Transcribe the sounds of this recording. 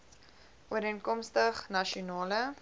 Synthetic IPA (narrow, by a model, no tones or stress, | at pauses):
ʔuəɾənkɔmstəχnɐʃiunɑːlə